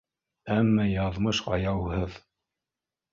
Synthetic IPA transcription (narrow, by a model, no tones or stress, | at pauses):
æmːæjɑðmɤʃɑjɑwɦɤð